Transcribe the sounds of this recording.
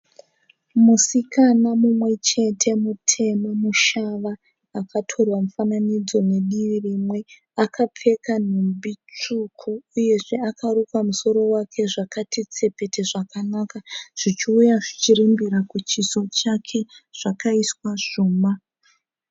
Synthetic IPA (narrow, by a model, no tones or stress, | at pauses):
musikanamumwe̞t͡ʃe̞tʰe̞mutʰe̞mamuʃaʋaː | kʰatʰo̞rwamufananid͡zo̞ne̞ɗiʋirimwe̞ | akap͡fe̞kan̤umbit͡ʂukʰuːje̞ʐe̞akaɾukwamuso̞ɾo̞wakʰe̞ʐakatit͡se̞pe̞te̞ʐakanakaʐ̥it͡ʃiujaʐit͡ʃiɾimbiɾakut͡ʃiso̞t͡ʃakʰe̞ʐ̥akaiswaʐ̥uːma